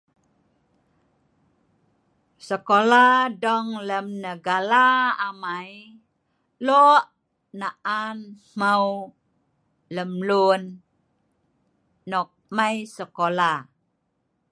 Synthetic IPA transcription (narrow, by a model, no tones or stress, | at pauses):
səkoladɔŋləmnəɡalaamaj | lɔʔ | naʔanm̥aw | ləmlun | ɔk̚majsəkola